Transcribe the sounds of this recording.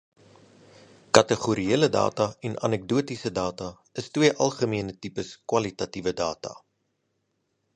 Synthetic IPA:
kɐtəχuɾieələdɑ̰ːtɐɛnʔɐ̰nɛk̚duətisədɑːtɐ | əstwiəʔɐlˠχəmiənətipəskwɐlitɐtivədɑːtɐ̰

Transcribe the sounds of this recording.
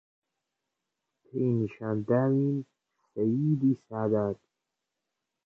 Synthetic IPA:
t̪ʰejniʃand̪aːwin | sajiːd̪isaːd̪ad̪

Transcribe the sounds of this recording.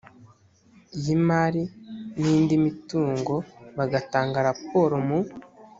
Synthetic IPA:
ijimaɾinindimituːŋɡo̞βaɡataːŋɡaɾap̚o̞ɾomu

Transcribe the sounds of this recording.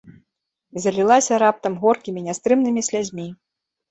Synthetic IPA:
zɐlʲilˠasʲɐɾap̚t̪ɐmɣɔrkʲimʲinʲɛst̪ɾɨmnɨmʲisʲlʲad͡zʲmʲi

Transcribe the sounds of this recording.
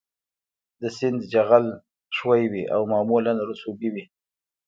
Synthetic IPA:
d̪əsɪnd̪d͡ʒaɣal | ʂwajwiʔa̰wmɑːmulanɾusuɡiwi

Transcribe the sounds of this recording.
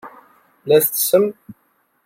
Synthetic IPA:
læθət͡sːsəm

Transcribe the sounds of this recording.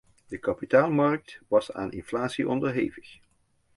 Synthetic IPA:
d̥əkɑpitaːlˠmɑrk̚tʋɑsa̰ːnʔɪ̰nflaːtsiʔɔndəɹɦejvəx

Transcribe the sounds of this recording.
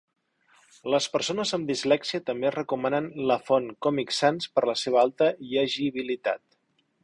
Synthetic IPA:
ləspəɾsonəzəmd̪izlɛksiət̪əmberəkumanənləfonkɔmiksanspəɾləseβəalˠt̪əiəʒiβ̞ilit̪a̰t̪̚

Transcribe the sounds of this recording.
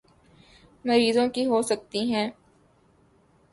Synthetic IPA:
mɐɾiːzõkiɦosɐk̚t̪iɦɛ̃ː

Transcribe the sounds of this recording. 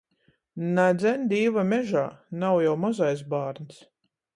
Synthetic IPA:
nad̪zʲɛnd̪iːvamʲɛʒaːnawjawmazajs̬baːɾns

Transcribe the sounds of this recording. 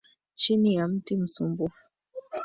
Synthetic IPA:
t͡ʃinijam̩tim̩sumbufu̥

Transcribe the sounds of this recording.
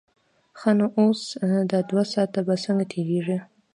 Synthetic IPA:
xɑnoʔosd̪ɑd̪wasɑt̪abasəŋɡat̪ʰeɾeʐi

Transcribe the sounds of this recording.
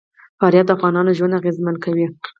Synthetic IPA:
faɾjat̪̚d̪əafɣɑnɑnoʒwand̪aɣezmankawi

